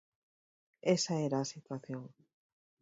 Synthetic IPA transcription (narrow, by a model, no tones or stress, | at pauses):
esaeɾaːsit̪waθjoŋ